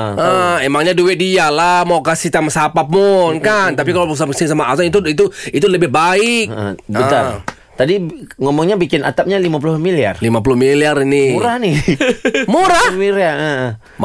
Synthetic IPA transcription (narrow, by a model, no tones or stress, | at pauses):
ʔəemaŋɲaduwɛdialahmawkasit̪amasapapʊnkant̪ap̬ikalawpuks̬apksɪnsamaazanit̪uit̪uit̪uləbɪhbaɪkbət̪a | t̪adiŋomɔŋɲabikɪnʔa̰t̪ap̚ɲalimap̬ulʊhmilia̰rlimap̬ulʊhmiliarinɪuɾahni | muɾahmiɾaə